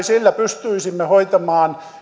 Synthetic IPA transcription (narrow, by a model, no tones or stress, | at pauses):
silːæpyst̪yisimːehoit̪ɑmɑːn